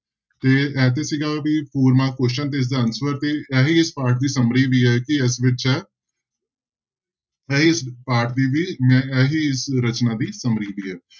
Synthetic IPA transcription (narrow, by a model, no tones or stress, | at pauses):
t̪eːɛːt̪̬eːsiːɡaːʋiːpʰuːɾmãːkʊʃʃənt̪̬eːs̬d̪aːənswəɾt̪eːɛːɦiːɪspaːɾʈ̚d̪iːsəmɾiːʋiːɛːkɪɪsʋɪt͡ʃɛː | ɛiɪspaːɾʈd̪iːʋiːmɛ̃ːɛːɦiːɪsɾət͡ʃnãːd̪iːsəmɾiːʋiːɛː